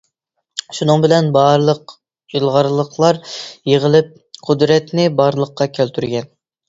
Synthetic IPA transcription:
ʃunɨŋbɪlɛnbɑɾlˠəq | ilˠʁɑɾlˠəqʰlˠɑɾjeʁəlˠɪp̚ | qʰʊd̪ɾɛt̪nɪbɑɾlˠəqːɑkʲʰælt̪ʰyɾɡʲɛn

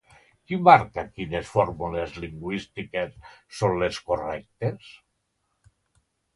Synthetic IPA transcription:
kimaɾkakinesfɔɾmulezliŋɡwist̪ikesːonleskorɛk̚t̪es

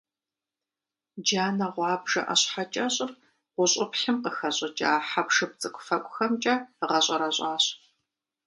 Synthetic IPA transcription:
d͡ʒaːnɐʁʷɑːbʒɐ̰ʔɐ̰ɕħat͡ʃʼɐɕʼɪr | ʁʷʊɕʼɪpħɪmqəxɐɕʼɐt͡ʃʼa̰ːħapʂɨp̚t͡sʼɨkʷʼʊfɐkʷʼʊxɐmt͡ʃʼɐʁɐɕʼɐɾɐɕʼɑːɕ

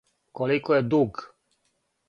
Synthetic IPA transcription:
kɔlikɔjɛd̪uɡ

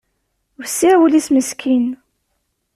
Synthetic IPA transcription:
vsːiɾwəlisməskʰin

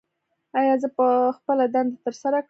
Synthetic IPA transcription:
ajɑzəpəxpəlad̪and̪at̪əɾsaɾak

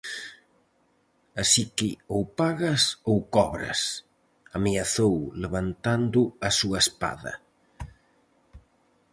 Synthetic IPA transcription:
asikɪowpaɣɐsowkɔβɾɐ̰s | ameaθowleβant̪and̪ʊɐsuɐespa̰ðɐ̰

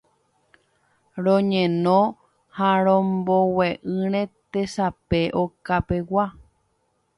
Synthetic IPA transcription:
ɾõɲẽnõ | haɾ̃õmboweʔɨ̃ɾ̃ẽt̪esape̞ʔokapewa

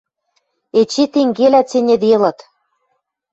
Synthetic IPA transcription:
et͡ɕet̪eŋɡelæt͡senʲĕd̪elɤ̆t̪

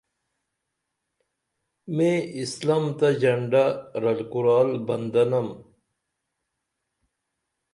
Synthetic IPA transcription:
mẽːislamt̪ɐd͡ʑɐɳɖaɾɐlkuɾaːlbɐnd̪ɐnɐm

